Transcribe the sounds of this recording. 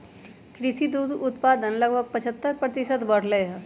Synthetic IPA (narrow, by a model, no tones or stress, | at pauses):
kɾɪʃid̪uːd̪ʊt̪paːd̪ənlɐɡbʱəɡ̚pɐt͡ʃʰət̪ːəɾpɾət̪ɪʃət̪bɐɽ̤leɦɛ